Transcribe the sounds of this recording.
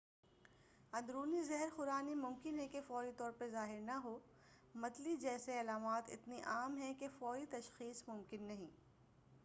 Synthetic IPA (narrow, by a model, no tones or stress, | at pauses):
ɐ̃nd̪ɾuːnizɛɦɛɾxʊɾaːnimʊ̃mkɪnɦɛ̃kefɔːit̪ɔːɾpɐɾzaːɦɪɾnɐɦoː | mɐt̪lid͡ʒɛːseɐlaːmaːt̪ɪ̰t̪niʔaːmɦɛ̃kefɔːit̪ɐʃxiːsmʊ̃mkɪnːɐɦĩː